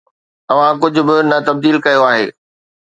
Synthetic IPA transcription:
ɐʋ̤ãk̬ʊd͡ʑʱʊ̆bɪnɐt̪ɐb̚d̪iːlkɐjoaːɦeː

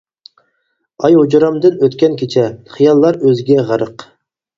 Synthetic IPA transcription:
ɑjod͡ʒɾɑmd̪ɨnøt̪kʲɛnkʲʰet͡ʃʰɛχijɑlˠːɑɾøzɪɡʲɛʁəɾəq

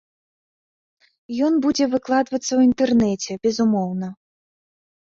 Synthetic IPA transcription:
jɔnbud͡zʲɛvɨklˠad̪vɐt̪sːɐwint̪ɛrnɛt͡sʲɛbʲɛzumɔwnɐ

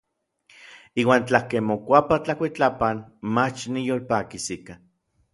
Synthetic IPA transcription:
iːwaːnt͡ɬakemokʷapat͡ɬakʷit͡ɬapanmat͡ʃnijoːlpaːkisika

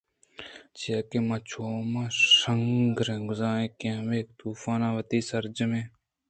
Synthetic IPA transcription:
t͡ʃijaːkeːmãːt͡ʃʰoːmãːʃəŋɡɾẽːɡʊzãːnẽːkẽʋeːkt̪uːfaːnãːʋət̪iːsəɾd͡ʒəmẽː

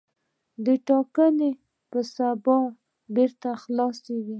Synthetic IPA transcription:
d̪əʈɑkəne | pəsabɑ | beɾt̪axlɑsewi

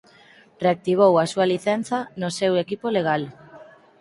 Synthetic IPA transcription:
reak̚t̪iβ̞owasualiθɛnθanosewekipoleɣ̞al

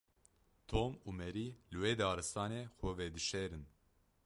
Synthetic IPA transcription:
t̪ʰomuːmɛɾilɨwed̪ɑːɾɨst̪ɑːnexʷɛvɛd̪ɨʃɛːɾɨn

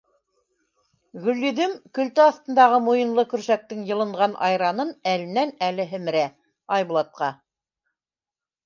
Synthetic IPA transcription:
ɣɵ̆lːɵ̆ðɘmkɵ̆lt̪æɑθt̪ɤ̆nd̪ɑʁɤmujɤ̆nlˠɤkɵ̆ɾʃæk̚t̪ɘŋjɤ̆lˠɤ̆ɴʁɑnʔɑ̰jɾɑnɤnælɘ̆nænælɘɦɘ̆mɘ̆ɾæ | ɑjβŭlˠɑt̪̚qɑ

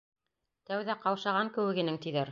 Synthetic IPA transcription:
t̪æwðæqɑwʃɑʁɑŋkɘ̆wɘ̆ɡɘ̆nɘŋt̪iðæɾ

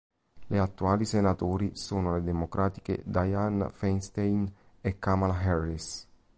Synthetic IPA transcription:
leat̪ːuaːlisenat̪oːɾisoːnoled̪emokɾaːt̪i̥kḛd̪ajanfɛnst̪ejn | ɛkːamalaɦɛris

